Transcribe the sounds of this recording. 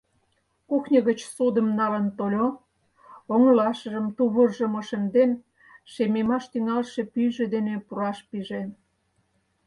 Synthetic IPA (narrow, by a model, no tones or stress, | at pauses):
kuxnʲəɣət͡ɕsud̪ə̆mnɑlənt̪olʲo | oŋəlɑʃə̆ʒə̆mt̪uβərʒə̆moʃĕnd̪en | ʃememɑʃt̪yŋɑlʃepyjʒed̪enepuɾɑʃpiʒe